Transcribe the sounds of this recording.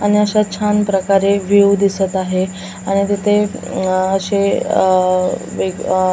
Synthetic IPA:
aɽ̃iəɕat͡ɕʰanpɾəkaɾeʋiwd̪isət̪aɦe | aɽ̃it̪it̪ʰe | əɕe | ʋe

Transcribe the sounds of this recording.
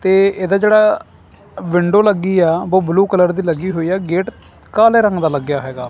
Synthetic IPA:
t̪eːeːd̪aːd͡ʒeːɽaː | ʋɪɳɖoːləɡːiːɛːboːbluːkələɾd̪iːləɡiːɦoːiːɛːɡeːʈ | kaːleːɾə̃ŋɡd̪aːləɡjaːɦɛːɡaː

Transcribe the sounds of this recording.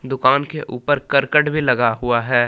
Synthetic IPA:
d̪ʊkaːnkeʔuːpəɾkəɾkəʈbʱilɐɡaɦʊaɦɛː

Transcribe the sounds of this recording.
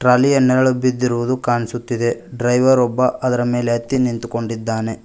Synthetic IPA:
ʈɾaːlijɐnɛɾɐɭubːid̪ːiɾuʋud̪ukaːɳisut̪ːid̪e̞ɖɾɐjʋɐɾɔbːɐʔʔɐd̪ɐɾɐme̞ːleɦɐt̪ːinint̪uko̞ɳɖid̪ːaːne̞

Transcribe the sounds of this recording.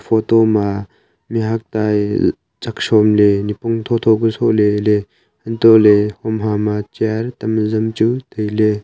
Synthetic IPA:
pʰotoma | miɦak̚taj | zak̚sɔmlenipɔŋtʰɔt̪ʰoɡusoʔlele | hɐntolehɔmɦamat͡ʃiaɾtɐmzɐmt͡ʃutɯjle

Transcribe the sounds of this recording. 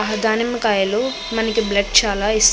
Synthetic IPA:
ɐɦɐd̪aːnɐmkaːjɐloː | mɐnɐkiblɐɖ̚t͡ʃaːlaːis

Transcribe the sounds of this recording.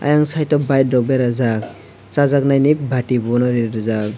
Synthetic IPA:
a̰jaŋsajtɔbajdɾɔk̚bɛɾazak̚ | t͡ʃazaknajnip̚bʱaʈibɔnɔɾiɾɯzak̚

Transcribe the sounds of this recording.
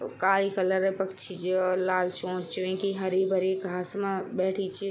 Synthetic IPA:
kaːlikələɾəpəkt͡ʃʰid͡ʒelaːlt͡ʃõːt͡ʃiẽkiɦəɾibəɾikɡʱaːsmẽbɛːʈʰit͡ʃʰi

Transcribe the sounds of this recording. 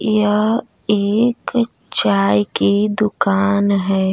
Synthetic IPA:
jə | eːk | t͡ʃaːjkid̪ʊkaːnɦɛː

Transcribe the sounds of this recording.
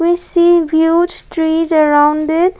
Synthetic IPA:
wisiːʋjuːd͡ʒsʈɾiːzəɾãʊ̃ɳɖɪʈ̚

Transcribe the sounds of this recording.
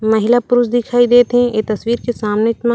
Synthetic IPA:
mɐɦɪlapʊɾʊsd̪ɪkʰaːid̪eːt̪ɦɛ̃et̪ɐsʋiːɾkesaːmnet͡ʃma

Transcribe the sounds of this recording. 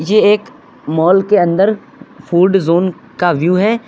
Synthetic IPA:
jeeːk | mɔːlkeɐ̃nd̪əɾ | fʰuːɖzoːn | kaʋjuːɦɛː

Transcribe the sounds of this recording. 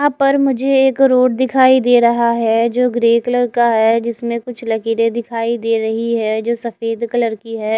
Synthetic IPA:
ãpɐɾmʊd͡ʒʱeeːkɾoːʈd̪ɪkʰaːid̪eːɾɐɦaɦɛd͡ʒoːɡɾeːkələɾkaɦɛd͡ʒɪsmẽkʊt͡ʃʰlɐkiːɾed̪ɪkʰaːid̪eːɾɐɦiɦɛːd͡ʒoːsɐfeːd̪kɐləɾkiɦɛː

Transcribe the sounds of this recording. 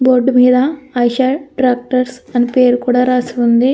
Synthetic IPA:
boːɾɖmiːd̪ɐːjʃɐʈɾaːk̚ʈɐɾsɐnipe̞ːɾukuːɽaːɾaːsiund̪i

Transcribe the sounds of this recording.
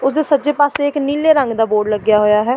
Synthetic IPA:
ʊsd̪eːsətːd͡ʒeːpaːseːɪkniːlːeːɾə̃ŋɡd̪aːboːɖləɡjaːɦoːjaːɦɛː

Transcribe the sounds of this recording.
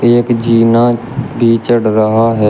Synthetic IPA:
eːkd͡ʒiːnãː | bʱiːt͡ʃəɽɾəɦaːɦɛː

